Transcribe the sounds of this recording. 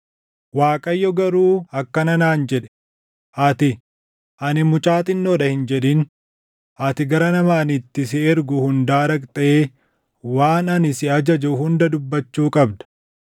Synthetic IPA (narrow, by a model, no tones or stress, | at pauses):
waːkʼɐjːɔɡɐɾuːɐkːɐnɐnaːnd͡ʒɛᶑɛ̥ | ʔɐt̪ɪ | ʔɐnɪmʊt͡ʃʼaːt̪ʼɪnːoːᶑɐhɪnd͡ʒɛᶑ̪ɪn | ʔɐt̪ɪɡɐɾɐnɐmaːnɪt̪ːɪsɪɛɾɡʊhʊnd̪aːɾɐkʼt̪ʼɐeː | waːnɐnɪsɪɐd͡ʒɐd͡ʒɛʊhʊnd̪ɐd̪ʊbːɐt͡ʃːuːkʼɐbd̪ɐ̥